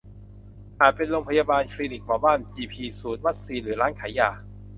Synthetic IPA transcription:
ʔaː˨˩t̪̚pe˧nɾoː˧ŋpʰa˧jaː˧baː˧nkʰliː˧ni˨˩k̚mɔː˨˩˦baː˥˩nt͡ɕiː˧pʰiː˧suː˩˦n̚wa˦˥t̪̚siː˧nɾɯː˩˦ɾaː˦˥nkʰaː˩˦jaː˧˩

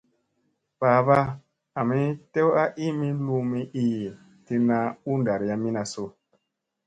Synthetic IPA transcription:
paː˨ba˦ | a˨mi˦te˦wa˦ʔi˦mi˦lu˧mi˦ʔi˦˨ | ti˧na˧u˦nda˨ɾja˦mi˦na˨so˦

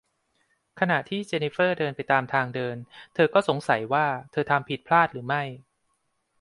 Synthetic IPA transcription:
kʰa˧na˨˩ʔt̪ʰiː˥˩t͡ɕe˧ni˦˥fɤː˥˩dɤː˧npa˧jt̪aː˧mt̪ʰaː˧ŋdɤː˧nt̪ʰɤː˧kɔː˥˩so˩˦ŋsa˩˦jwaː˥˩t̪ʰɤː˧t̪ʰa˧mpʰi˨˩t̪̚pʰlaː˥˩t̪̚ɾɯː˩˦ma˥˩j

